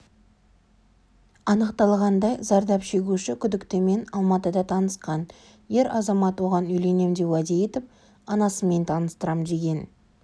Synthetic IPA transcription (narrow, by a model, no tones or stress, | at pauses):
ɑnəqt̪ɑlˠʁɑnd̪ɑjzɑɾd̪ɑpʃe̞ɡʲuʃɪkʲʰʏd̪ɪkt̪ɪme̞nɑlˠmɑt̪əd̪ɑt̪ʰɑnəsqɑn | je̞ɾɑzɑmɑt̪wo̞ʁɑnʏjle̞ne̞md̪e̞wæd̪e̞je̞t̪ɪp̚ | ɑnɑsəme̞nt̪ʰɑnəst̪əɾɑmd̪e̞ɡʲe̞n